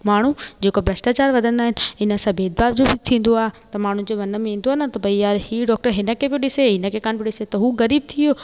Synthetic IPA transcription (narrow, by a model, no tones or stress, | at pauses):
maːɳ̤ud͡ʑeːkobɾɐsʈaːt͡ɕaːɾʋɐd̪ʱə̃nd̪aːɦɪnɪ̆ɪnə̆sãbeːd̪̚baːbd͡ʑobɪt̪ʰĩːn̆d̪oaːɦet̪ɐmaːɳ̤ũd͡ʑeːʋɐnə̆mẽĩːn̆d̪oaːɦɪnat̪ɐbʱɐijaːɾhiɖɔːk̚ʈəɾɦɪnə̆kʰebɪɗɪseɦɪnə̆kʰekaːnbʱɪɗɪset̪ɐɦuɣɐɾiːb̚t̪ʰioː